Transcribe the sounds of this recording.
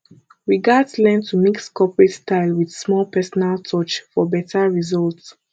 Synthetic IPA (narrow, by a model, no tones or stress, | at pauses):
ɹiɡadslɛ̃ntʰumikskʰɔpɹɛtstaɪlˠwidsmɔlpʰɛsɔnalˠtʰɔt͡ʃfɔbɛtʰaɹizɔlts